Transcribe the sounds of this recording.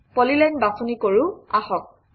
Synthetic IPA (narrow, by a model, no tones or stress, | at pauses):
pɔlilajnbafʰunikoɹuaxɔk̚